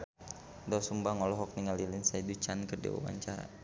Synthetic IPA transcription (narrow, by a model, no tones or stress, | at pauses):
dasumbaŋɔlɔɦɔk̚niŋalilɪnsaidut͡ʃankərdḭwa̰wa̰ɲt͡ʃaɾa̰